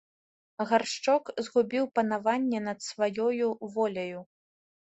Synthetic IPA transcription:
ɣarʂt͡ʂɔkzɣubʲiwpɐnavanʲːɛnɐt̪svajɔjuvɔlʲɐju

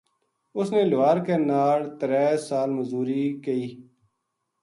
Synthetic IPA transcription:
ʊsneːlʋaːɾkeːnaːɽt̪əɾɛːsaːlməzuːɾiːkəiː

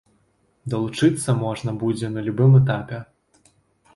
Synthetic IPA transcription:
d̪ɐlˠut͡ʂɨt̪sːɐmɔʐnɐbud͡zʲɛnɐlʲubɨmɛt̪̬apʲɛ

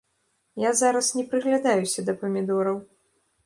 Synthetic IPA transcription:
jazaɾɐsnʲɛpɾɨɣlʲad̪ajusʲɐd̪ɐpɐmʲid̪ɔɾɐw

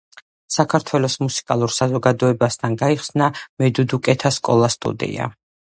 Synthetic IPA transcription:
sakʰaɾt̪ʰwɛlˠɔsmusi̥kʼalˠuɾsazɔɡad̪ɔɛbast̪ʰanɡaiχsnamɛd̪ud̪ukʼɛt̪ʰaskʼɔlˠast̪ʼṵd̪ḭa̰

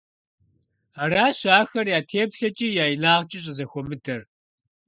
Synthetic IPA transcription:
araːɕaːxɐrjaːtʰeːpɬɐt͡ʃʼiːjaːjinaːʁt͡ʃʼɪɕʼɪzɐxʷɔmɨdɐr

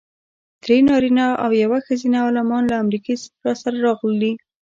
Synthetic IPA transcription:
d̪̥ɾenɑɾinaawjawaxəzinaɑlɪmɑnlaːmɾikesɾɑsaɾaɾɑɣli

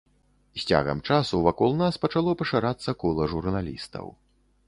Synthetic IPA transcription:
sʲt͡sʲa̰ɣɐ̰mt͡ʂasuvakɔlˠnaspɐt͡ʂalˠɔpɐʂaɾat̪sːɐkɔlˠɐʐurnalʲist̪ɐ̰w

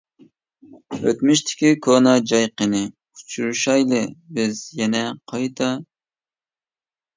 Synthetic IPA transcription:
ø̰t̪myʃt̪ʰɪ̥kʲikʰonɑd͡ʒɑjqənɨ | ut͡ʃʰuɾuʃɑjlˠɨbɪzjɛnɛqʰɑjt̪ʰɑ

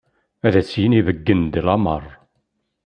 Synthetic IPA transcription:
æðæt͡sːjənivəɡːənd̪lɑmə̰rˤ

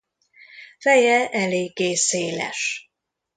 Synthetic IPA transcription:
fɛjɛʔɛleːɡːeːseːlɛ̰ʃ

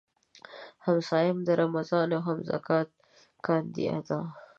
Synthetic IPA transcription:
hamsɑːjɪmd̪əɾʔamazɑːnawɦamza̰kɑːt̪̚ | kɑnd̪ḭa̰d̪ɑː

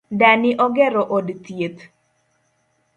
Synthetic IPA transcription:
danɪʔɔɡɛɾɔʔodt̪jet̪

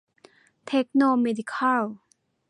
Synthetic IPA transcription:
t̪ʰɛk̚nomɛdikʰal

